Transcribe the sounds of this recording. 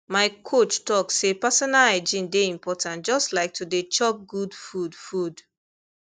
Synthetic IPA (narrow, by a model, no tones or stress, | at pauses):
maɪkʰot͡ʃtɔksepasɔnalad͡ʒĩndeĩmpɔtʰãnt̚d͡ʒɔstlaɪk̚tʰudet͡ʃɔk̚ɡudfudfud